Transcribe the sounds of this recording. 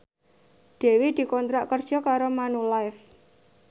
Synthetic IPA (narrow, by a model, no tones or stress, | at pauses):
d̥e̤wid̪̥i̤kɔnt̪ɾaʔkərd̥ʒ̥ɔ̤kaɾomanulajf